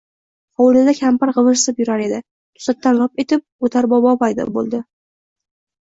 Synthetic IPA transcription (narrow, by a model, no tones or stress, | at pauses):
hɒwlɪd̪akʲʰampaɾʁɨvɨɾsɪpjʊɾaɾe̞d̪ɪ | t̪ʰʊ̥sat̪ːanlɒpet̪ʰɪp̚ot̪ʰaɾbɒbɒvajd̪ɒ̰lˠbo̰lˠd̪ɪ